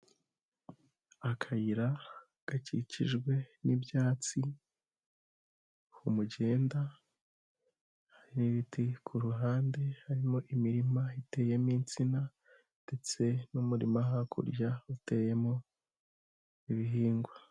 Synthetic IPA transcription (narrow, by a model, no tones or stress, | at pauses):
akʰajiɾa | ɡ̥acḭciʒɡwe̞nibjaːt͡si | humuɟe̞ːnda | haɾiniβitʰikʰuɾuɦaːnde̞haɾimo̞ʔimiɾimaite̞ːje̞miːnt͡sina | d̥e̞t͡se̞numuɾḭmaɦakʰṵɾɟaute̞ːje̞mo̞ | iβiɦiːŋɡwa